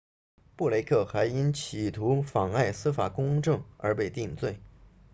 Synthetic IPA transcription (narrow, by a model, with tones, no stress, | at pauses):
pu˥˩le˧˥ɪkʰɤ˥˩xa˧˥ɪi˥nt͡ɕʰi˨˩t̪ʰu˧˥fɑ˨˩ŋa˥˩ɪsɹ̩˥fa˨˩kʊ˥ŋʈ͡ʂɤ˥˩ŋə̰˞˧˥pe˥˧ɪt̪i˥˧ŋt͡swe˥˩ɪ